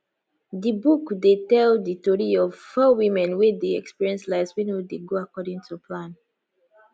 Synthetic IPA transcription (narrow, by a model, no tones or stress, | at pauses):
dibukdetɛlditɔɹiɔvfɔwimɛ̃nwedeɛkspiɹiɛ̃nslaɪswĩnwedeɡoakɔdĩŋtʰupʰlãn